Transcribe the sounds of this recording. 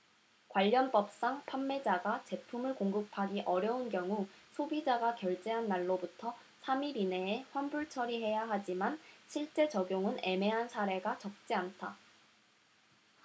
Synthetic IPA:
kwaʎːʌnp͈ʌp̚s͈aŋpʰamːe̞d͡ʑaɡat͡ɕe̞pʰumɯɭkoŋɡɯpʰaɡiʔʌɾjʌunkjʌŋusʰobid͡ʑaɡakjʌɭt͡ɕ͈eɦanːaɭːobutʰʌ | sʰamiɾine̞ːɸwanbuɭt͡ɕʰʌɾiɦe̞jaɦad͡ʑimanɕʰiɭt͡ɕ͈e̞t͡ɕʌɡjoŋɯne̞me̞ɦansʰaɾe̞ɡat͡ɕʌk̚t͡ɕ͈iantʰa

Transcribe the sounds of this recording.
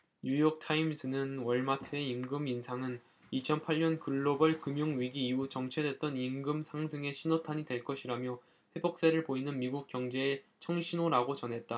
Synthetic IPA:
ɲujʌk̚tʰaimsʰɯnɯnwʌɭmatʰɯe̞imɡɯminsʰaŋɯn | it͡ɕʰʌnpʰaɭɲʌnkɯɭːobʌɭkɯmjoŋɥiɡiːut͡ɕʌŋt͡ɕʰe̞dwe̞t̚t͈ʌnimɡɯmsʰaŋsʰɯŋe̞ɕʰinotʰaɲidwe̞ɭk͈ʌɕʰiɾamjʌ | ɸwe̞bʌk̚s͈eɾɯɭpoinɯnmiɡuk̚k͈jʌŋd͡ʑe̞ːt͡ɕʰʌŋɕʰinoɾaɡot͡ɕʌnɦe̞t̚t͈a

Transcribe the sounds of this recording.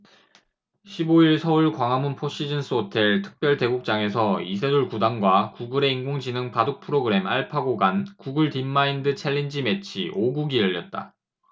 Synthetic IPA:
ɕʰiboiɭsʰʌuɭkwaŋɦamunpʰoɕ͈id͡ʑɯns͈ʰotʰeɭtʰɯ̥k̚p͈jʌɭte̞ɡuk̚t͡ɕ͈aŋe̞sʰʌisʰeduɭkudaŋɡwakuɡɯɾe̞iŋɡoŋd͡ʑinɯŋpadok̚pʰɯɾoɡɯɾe̞maɭpʰaɡoɡankuɡɯɭtimːaindɯt͡ɕʰeɭːind͡ʑime̞t͡ɕʰḭʔoɡuɡijʌʎːʌt̚t͈a̰

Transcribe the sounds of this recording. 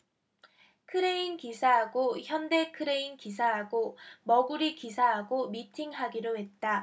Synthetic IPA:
kʰɯɾe̞inkisʰaɦaɡoçjʌnde̞kʰɯɾe̞inkis̬ʰaɦaɡomʌɡuɾikisʰaɦaɡomitʰiŋɦaɡiɾowe̞t̚t͈a

